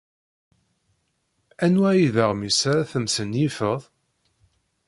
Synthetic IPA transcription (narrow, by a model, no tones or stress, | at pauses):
ænwæjiðəʁmisaɾaθəmsənifəðˤ